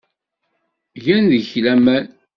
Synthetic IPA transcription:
ʝænðəçlæmæn

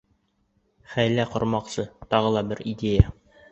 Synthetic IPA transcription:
χæjlæqŏɾmɑqsɤt̪ɑʁɤlˠɑbɘɾidʲeja

